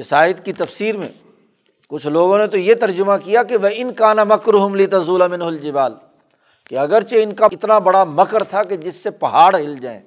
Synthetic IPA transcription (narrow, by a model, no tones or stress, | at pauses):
ɪsaːət̪kit̪ɐfsiːɾmḛ̃ː | kʊt͡ʃʰloːɡõnet̪ojet̪ɐɾd͡ʒʊmakijakeʋɐɪnkaːnɐmɐkɾʊɦʊmlit̪ɐzuːlamɪ̃nɦʊld͡ʒɪbaːl | keɐɡəɾt͡ʃeɪnkaɪt̪nabɐɽamɐkəɾt̪ʰaked͡ʒɪsːepɐɦaːɽɦɪld͡ʒa̰ːḛ̃ː